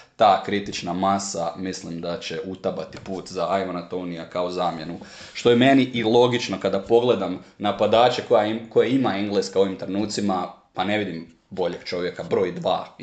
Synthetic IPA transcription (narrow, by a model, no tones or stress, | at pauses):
t̪aːkɾit̪it͡ʃnamasamislimd̪at͡ɕeʔut̪abat̪ipuːt̪zaʔajmonat̪onijakao̞zaːmje̞nu | ʃt̪o̞jemeniʔilˠo̞ɡit͡ʃno̞kad̪apo̞ɡle̞d̪amnapad̪aːt͡ɕekojako̞jeimaiŋɡlˠeskao̞ʋimt̪ɾenuːt̪sima | pane̞ʋid̪im | bo̞ʎe̞ɡ̥t͡ʃo̞ʋje̞kabɾo̞ːjd̪ʋa̰ː